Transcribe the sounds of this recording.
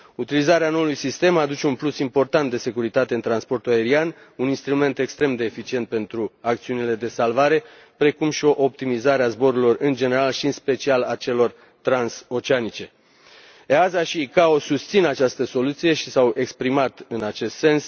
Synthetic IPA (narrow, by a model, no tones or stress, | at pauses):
ut̪ilizaɾeano̞ulujsist̪e̞mad̪ut͡ʃe̞unplusimpo̞rt̪ant̪d̪e̞se̞kuɾit̪at̪e̞ɨnt̪ɾanspo̞rt̪uae̞ɾian | uninst̪ɾume̞nt̪e̞kst̪ɾe̞md̪e̞ːfit͡ʃie̞nt̪̚pe̞nt̪ɾuak̚t̪siunile̞d̪e̞salvaɾe̞ | pɾe̞kumʃio̞ʔop̚t̪imizaɾeazbo̞ɾuilo̞rɨnd͡ʒe̞ne̞ɾalʃiɨnspe̞t͡ʃialat͡ʃe̞lo̞r | t̪ɾanso̞t͡ʃeanit͡ʃe̞ | eazaʃikao̞sust̪sinat͡ʃast̪əso̞lut̪sije̞ʃisawʔe̞kspɾimat̪ɨnat͡ʃe̞st̪se̞ns